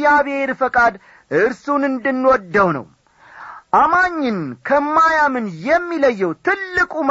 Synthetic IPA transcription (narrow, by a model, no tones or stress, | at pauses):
aβeeɾfəkʼad̪ | ʔɨɾsunɨnd̪ɨnːwɔd̪ːəwnə̰w | ʔamaɲːɪnkʰəmːajamɨnjɛmːiləjːɛwt̪ʰɨlːɨkʼum